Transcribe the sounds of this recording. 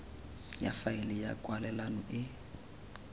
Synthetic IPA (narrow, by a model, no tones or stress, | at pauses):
ja̰faɪlɪjakʼwalɛlanɔʔɪ